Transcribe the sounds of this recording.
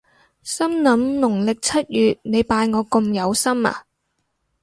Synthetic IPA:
sɐ˥mnɐ˨˥mnʊ˨˩ŋlɪ˨k̚t͡sʰɐ˥t̚jyː˨t̚ne˨˧jpaː˧jŋɔː˨˧kʊ˧mjɐ˨˧wsɐ˥ma̰ː˨

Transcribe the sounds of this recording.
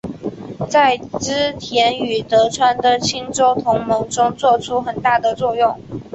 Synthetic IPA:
t͡sa˥˩ɪʈ͡ʂɻ̩˥t̪ʰjɛ˧˥ny˨˩t̪ɤ˧˥ʈ͡ʂʰwa˥nd̪ə˨t͡ɕʰi˥ŋʈ͡ʂo˥ʊt̪ʰʊ˧˥ŋmo˧˥ŋʈ͡ʂʊ˥ŋt͡swɔ˥˧ʈ͡ʂʰu˥xə˨˩nt̪a˥˩d̪ə˩t͡swɔ˥˧jʊ˥˩ŋ

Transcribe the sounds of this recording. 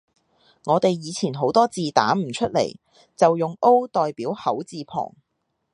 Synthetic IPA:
ŋɔː˨˧t̪e˨jjiː˨˧t͡sʰiː˨˩nɦo˨˥wt̪ɔː˥t͡siː˨t̪a̰ː˨˥m̩˨˩t͡ʃʰɵ˥t̚le˨˩j | t͡sɐ˨wjʊ˨ŋo˥wt̪ɔː˨jpiː˨˥whɐ˨˥wt͡siː˨˧pʰɔ̰ː˨˩ŋ

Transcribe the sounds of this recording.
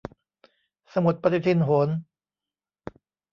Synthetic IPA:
sa˧mu˨˩t̪̚pa˧t̪ʰi˧˩t̪ʰi˧˥nɦo˩˦n

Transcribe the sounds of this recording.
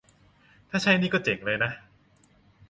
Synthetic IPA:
t̪ʰaː˥˩t͡ɕʰa˦˥jniː˥˩kɔː˥˩t͡ɕe˩˦ŋlɤː˧jna˦˥

